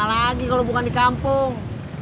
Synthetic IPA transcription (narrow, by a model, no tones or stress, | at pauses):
alaɡikalɔbukandikampuŋ